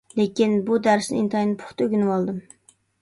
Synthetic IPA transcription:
lekʲinbud̪æɾsnɪint̪ʰɑjnɨpʰʊ̥χt̪ʰøɡʲynɨwɑlˠd̪ɨm

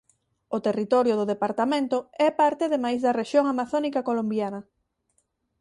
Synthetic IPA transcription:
ot̪erit̪ɔɾjoðʊðepaɾt̪amẽnt̪ʊɛpaɾt̪eðemajzðɐreʃjoŋamaθonikakolombjanɐ

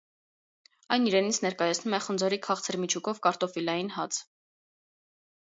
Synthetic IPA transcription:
ɑjniɾɛnit͡sʰnɛɾkɑjɑt͡sʰnumɛχənd͡zɔɾikʰɑχt͡sʰəɾmit͡ʃʰukɔvkɑɾt̪ɔfilɑjinhɑt͡s

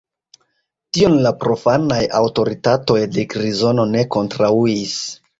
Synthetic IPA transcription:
tio̞nlapɾo̞fanajawto̞ɾitato̞jdekɾizo̞no̞ne̞ko̞ntɾauis

